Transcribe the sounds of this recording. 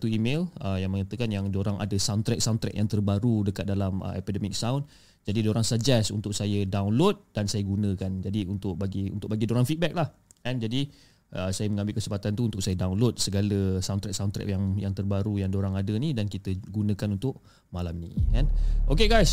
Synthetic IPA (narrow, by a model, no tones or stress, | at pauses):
t̪uimeləjaŋməŋat̪əkanjaŋdoɾaŋʔa̰dəsawnt̪ɾɛk̚sawnt̪ɾɛ̰k̚jaŋt̪ərbaɾudəkat̪̚dalamə̰ɛ̰pidəmik̚sawn | d͡ʒadidoɾaŋsad͡ʒɛsṵnt̪ʊk̚sajədawnlot̪̚dansajəɡunə̃kand͡ʒadiunt̪ʊʔ̚baɡiṵnt̪ʊʔ̚baɡidoɾaŋfit̪̚bɛk̚lahkand͡ʒadi | ʔəsajəməŋãmbɪlkəsəmpat̪ant̪uunt̪ʊk̚sajədawnlot̪̚səɡaləsawnt̪ɾɛk̚sawnt̪ɾɛ̰kjaŋjaŋt̪ərbaɾujaŋdoɾaŋadənidankit̪əɡunə̃kanunt̪ʊʔ | malamnḭkanʔokeɡajs